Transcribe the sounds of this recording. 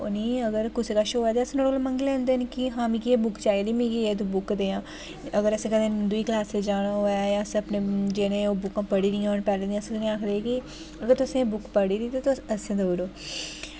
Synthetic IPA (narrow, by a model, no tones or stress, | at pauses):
ʊ̰niːəɡəɾkʊsekaːʃoːaːt̪eəsẽːnoɽolməŋɡilɛ̃ːnd̪eːnkiɦãːmiːkieːbʊkt͡ʃaːed̪imĩːkieːt̪ubʊkd̪eːãː | əɡəɾəsẽːkəd̪ẽd̪ʊiːklaːsed͡ʒaːɽ̃aoajãːəsəpneːd͡ʒenẽːoːbʊkãːpəɽiːɾiːãːoːnpɛːlẽd̪ĩəsẽːt̪ʊnĩaːkʰd̪eeːki | əɡəɾt̪ʊsẽːbʊkpəɽiːɾiːt̪eːt̪əsẽd̪oːɾoː